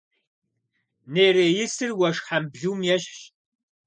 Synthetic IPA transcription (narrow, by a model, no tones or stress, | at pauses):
neːreːjɪsɨrwɐʃħambʒuːmjɛɕɕ